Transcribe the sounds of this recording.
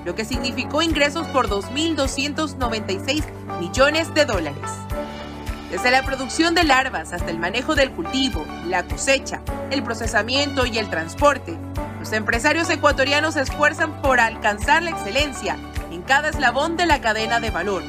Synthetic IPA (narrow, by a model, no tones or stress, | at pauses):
lo̞ke̞siɣnifiko̞iŋɡɾe̞so̞spo̞ɾðo̞zmild̪o̞sje̞nt̪o̞zno̞β̞e̞nt̪ajse̞jz | miʝo̞ne̞zðe̞ðo̞laɾe̞̰s | d̪e̞zðe̞lapɾo̞ðuksjo̞nd̪e̞laɾβasast̪aelmane̞xo̞ðe̞lkult̪iβo̞ | lako̞se̞t͡ʃae̞lpɾo̞se̞samje̞nt̪o̞ie̞lt̪ɾanspo̞ɾt̪e̞ | lo̞se̞mpɾe̞saɾjo̞se̞kwat̪o̞ɾjano̞s̬e̞sfwe̞ɾsampo̞ɾalkansaɾlaekse̞le̞nsja | eŋkaðaezlaβo̞nd̪e̞lakaðe̞naðe̞βalo̞ɾ